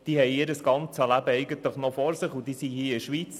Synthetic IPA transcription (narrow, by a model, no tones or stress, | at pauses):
d̥iːhɛjɪːɾəsɡ̥ɑnt͡səlæbəɛɪɡənt̪ləχnɔfɔɾsɪχud̥̪iːsihiːɪʃʋiːt͡s